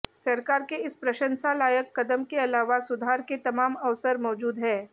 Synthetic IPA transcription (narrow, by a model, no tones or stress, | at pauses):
sɐɾkaːɾkeɪspɾɐʃə̃nsalaːjəkːɐd̪əmkeɐlaːʋasʊd̪ʱaːɾket̪ɐmaːmɐʋsəɾmɔːd͡ʒuːd̪ɦɛ̃ː